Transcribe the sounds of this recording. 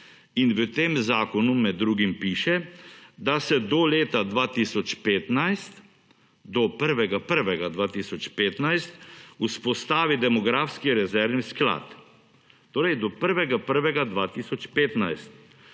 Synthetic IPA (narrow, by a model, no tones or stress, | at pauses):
inʋət̪emzaːkɔnumɛd̪ːɾuːɡimpiːʃɛd̪asɛd̪ɔleːt̪ad̪ʋaːt̪isɔt͡ʃpeːt̪najst̪ | d̪ɔpəɾʋɛɡapəɾʋɛɡad̪ʋaːt̪isɔt͡ʃpeːt̪najst̪uspɔst̪aːʋid̪ɛmɔɡɾaːfskiɾɛzɛɾʋniskla̰ːt̪ː | oːɾɛjd̪ɔpəɾʋɛɡapəɾʋɛɡad̪ʋaːt̪isɔt͡ʃpeːt̪najst̪̚